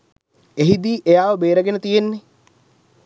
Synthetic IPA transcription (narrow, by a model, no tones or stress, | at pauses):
eɦid̪iːʔejaːʋəbeːɾəɡenət̪ijenːe